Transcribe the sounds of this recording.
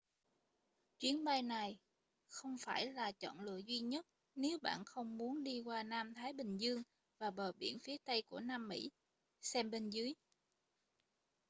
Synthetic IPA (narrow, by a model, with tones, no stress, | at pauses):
t͡ɕwi˨˦ənɓa˧jna˨˩j | xə˧wŋ͡mfaː˧˩jlaː˨˩t͡ɕɔ̰˧˨nlɨ̰˧˨əzwi˧ɲə˦˥t̚ | ne˨˦wɓa̰ː˧˨nxə˧wŋ͡mmu˨˦ənɗi˧kwaː˧naː˧mt̪ʰaː˨˦jɓï˨˩ŋ̟zɨ˧əŋ | vaː˨˩ɓəː˨˩ɓḭ˧˩ənfi˨˦ət̪ə˧jku˧˩ənaː˧mːḭ˧˥ | sɛ˧mɓe˧nzɨ˨˦əj